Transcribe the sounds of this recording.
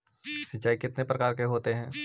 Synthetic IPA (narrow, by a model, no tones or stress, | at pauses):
sɪt͡ʃːaːikɪt̪nepɾɐkaːɾkeɦoːt̪eɦɛ̃ː